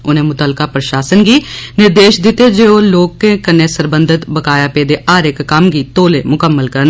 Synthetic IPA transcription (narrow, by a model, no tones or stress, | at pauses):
ʊnẽːmʊt̪əlkaːpɾəʃaːsənɡiːnɪɾd̪eːʃd̪ɪt̪eːd͡ʒeːoːloːkːẽːkənẽːsəɾbənd̪ɪt̪bəkaːjaːpeːd̪eːʔaːɾɪkːəmɡiːt̪oːleːmʊkəmːəlkəɾən